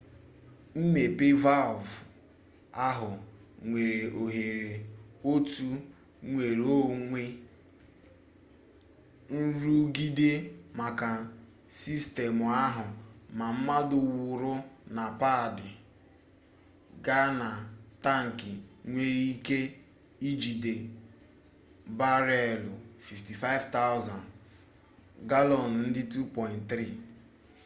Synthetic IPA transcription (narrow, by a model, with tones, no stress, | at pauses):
m̩˦me˨pɪ˦va˦lv | a˦ɦʊ˨ŋʷe˨ɾe˨ʔo˨ɦe˨ɾe˨o˦tu˦ | ŋʷe˨ɾo˦˨ŋʷe˦ | n̩˦ɾu˦ɡi˦de˦ma˨ka˨ | si˦ste˨mʊ˨a˦ɦʊ˨ma˨m̩˦ma˦dʊ˨wʊ˨ɾʊ˦na˨pa˦˨dɪ˨ | ɡa˦na˨ta˦ŋ̩˨kɪ˨ŋʷe˦ɾi˦i˦ke˦ | i˦d͡ʒi˨de˨ | ba˦ɾe˦˨lʊ˨fi˨fti˨fa˦ɪ˦vta˦ʊ˦za˨n | ɡa˦lɔ˨n̩˨n̩˦dɪ˦tu˦pɔ˨ɪ˨ntt̪ɾi˦˨